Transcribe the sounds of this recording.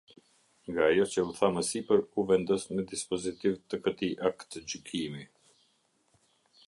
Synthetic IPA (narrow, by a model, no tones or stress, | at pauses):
ŋɡaːjɔt͡ɕəuθaməsipəɾuvɛnd̪ɔsməd̪ispɔzit̪ivt̪əkət̪iʔakt̪əd͡ʑykʰimi